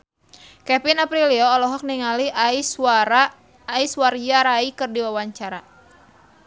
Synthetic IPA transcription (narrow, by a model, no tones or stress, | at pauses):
kɛpinapɾiliɔːlɔɦɔk̚niŋalias | isward͡ʒaɾaikɨrdiwawaɲt͡ʃaɾa